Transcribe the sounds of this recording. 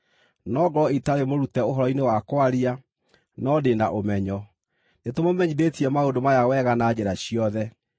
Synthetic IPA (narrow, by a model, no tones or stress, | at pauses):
nɔɡɔitaɾemoɾutɛoɦɔɾɔinewakwaɾia | nɔdenaʔomɛɲɔ | netomomɛɲidetiɛmaodomajawɛɣanad͡ʑeɾaɕiɔðɛ